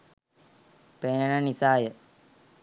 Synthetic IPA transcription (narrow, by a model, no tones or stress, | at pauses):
penənanisaːjə